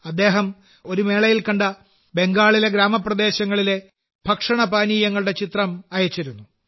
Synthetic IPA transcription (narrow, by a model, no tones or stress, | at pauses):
ɐd̪ːe̞ːɦɐm | o̞ɾume̞ːɭɐjilkɐɳɖɐ | be̞ŋɡaːɭileɡɾaːmɐprɐd̪e̞ːɕɐŋːɐɭile̞ | bʱɐkʂɐɳɐbaːniːjɐŋːɐɭuɽe̞t͡ɕit̪rɐmɐjɐt͡ɕːiɾunːu